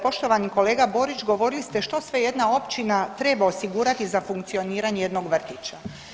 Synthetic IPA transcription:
po̞ʃt̪o̞ʋaniko̞le̞ːɡabo̞ɾit͡ʃɡo̞ʋo̞ɾilist̪e̞ʃt̪o̞sʋe̞je̞d̪nao̞pt͡ɕinat̪ɾe̞baosiɡuːɾat̪izafuŋkt̪sio̞niːɾaɲeje̞d̪no̞ɡʋr̩t̪it͡ɕa

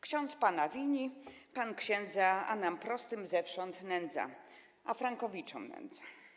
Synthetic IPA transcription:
kɕɔ̃nt̪spanavʲiɲipankɕɛnd̪zaa̰nampɾɔst̪ɘmzɛfʂɔnt̪nɛnd̪za̰ | ʔafɾaŋkɔvʲit͡ʂɔmnɛ̰nd̪za

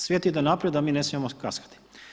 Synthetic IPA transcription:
sʋʲjet̪id̪onapɾed̪amiːne̞smijemokaskḁt̪i̥

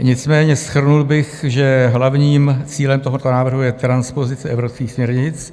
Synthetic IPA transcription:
ɲɪt͡smɛːɲɛsxr̩nulbɪxʒɛɦlavɲiːmt͡siːlɛmt̪oɦot̪onaːvr̩ɦujɛt̪ɾanspo̞zɪt͡sɪʔɛvɾopskiːxsmɲɛɾɲɪt͡s

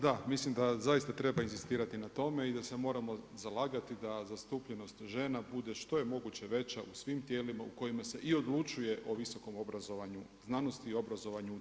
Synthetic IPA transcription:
d̪amislimd̪azajist̪at̪ɾe̞bainzist̪iːɾat̪inat̪o̞me̞id̪ase̞mo̞ːɾamo̞zalˠaːɡat̪id̪azast̪uːpʎe̞no̞st̪ʒe̞nabud̪e̞ʃt̪o̞je̞mo̞ɡut͡ɕe̞ʋe̞t͡ɕaʔusʋimt̪je̞ːlimauko̞jimase̞ʔio̞d̪lˠut͡ʃuje̞ʔo̞ʋiso̞ko̞mo̞bɾazoʋaɲu | znano̞st̪iːo̞bɾazo̞ʋaɲu

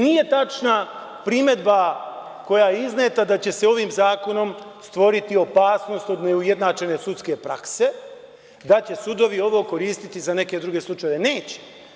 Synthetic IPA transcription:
nije̞t̪at͡ʃna | pɾime̞d̪ba | ko̞jaiznet̪ad̪at͡ɕe̞se̞o̞ʋiːmzaːko̞no̞m | st̪ʋo̞ɾit̪io̞paːsno̞st̪o̞d̪neuje̞d̪nat͡ʃe̞ne̞sut̪ske̞pɾa̰kse̞ | d̪at͡ɕe̞sud̪o̞ʋio̞ʋo̞ːko̞ɾiːst̪it̪izane̞ke̞d̪ɾuɡe̞slˠut͡ʃajeʋe̞ne̞ːt͡ɕe̥

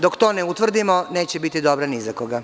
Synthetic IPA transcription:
d̪okt̪oːneut̪ʋr̩d̪imone̞ːt͡ɕebit̪id̪obɾanizakoɡa

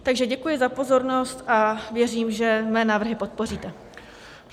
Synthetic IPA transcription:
t̪aɡʒɛɟɛkujɪzapo̞zo̞ɾno̞st̪ʔavjɛriːmʒɛmɛːnaːvr̩ɦɪpo̞t̪̚po̞r̝iːt̪ɛ

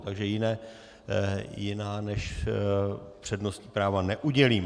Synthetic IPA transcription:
t̪aɡʒɛjɪnɛː | jɪnaːnɛʃ | pr̝̥ɛdnost̪ɲipɾaːvanɛʔuɟɛliːm

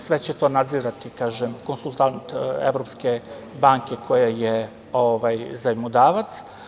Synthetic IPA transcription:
sʋet͡ɕet̪o̞nad̪ziːɾat̪ikaːʒemkonsulˠt̪ant̪ḛʋɾo̞pske | baːŋke̞kʰo̞jaje | oʋajzaimod̪aːʋat̪s

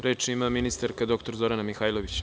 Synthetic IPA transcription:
ɾe̞ːt͡ʃimaminist̪aɾkad̪o̞kt̪o̞ɾzo̞ɾanamixaːjlˠoʋit͡ɕ

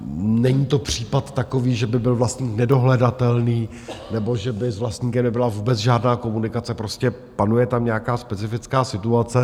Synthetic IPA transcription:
nɛɲiːt̪o̞pr̝̥iːpat̪ːako̞viːʒɛbɪbɪlvlast̪ɲiːknɛdo̞ɦlɛdat̪ɛlniː | nɛbo̞ʒɛbɪzvlast̪ɲiːkɛmnɛbɪlavuːbɛt͡sʒaːdnaːko̞munɪkat͡sɛpɾo̞scɛ | panujɛt̪amɲɛakaːspɛt͡sɪfɪt͡skaːsɪt̪uat͡sɛ

